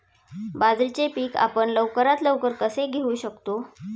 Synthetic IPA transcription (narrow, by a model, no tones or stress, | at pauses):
bad͡zɾit͡ɕepiːka̰pəɳləʋkəɾat̪ləʋkəɾkəseɡʱeũːɕəkt̪o